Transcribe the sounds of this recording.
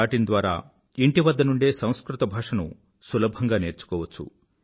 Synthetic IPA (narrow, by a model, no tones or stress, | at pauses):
aːʈind̪ʋaːɾa̰ː | iɳʈiʋɐd̪ːɐnuɳɖeːsɐ̃w̃skɾut̪ɐbʱaːʂɐnṵ | sulɐbʱɐŋɡaːne̞ːɾt͡ʃu̥kɔːʋɐt͡sːṵ